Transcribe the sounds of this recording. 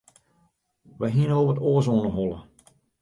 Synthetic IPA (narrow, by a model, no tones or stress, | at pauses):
ʋajɦiənoːvətoːəs̬oːnəɦɔlˠə̰